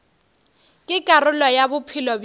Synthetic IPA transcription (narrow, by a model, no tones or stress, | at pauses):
kʼɪkʼarʊlɔjabʊpʰɪlɔb